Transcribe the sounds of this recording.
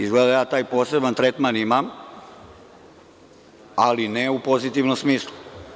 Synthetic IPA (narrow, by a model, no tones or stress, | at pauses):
izɡled̪ajaːt̪aːjpo̞ːse̞bant̪ɾet̪manimam | a̰lineupo̞zit̪iʋnomsmiːslˠu